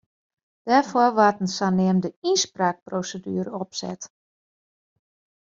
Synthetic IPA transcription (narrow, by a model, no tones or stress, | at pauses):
d̥ɛrfʊrʋatən̩sanɪəmdəinspraːk̚prowsədyːɾəɔpsɛ̰t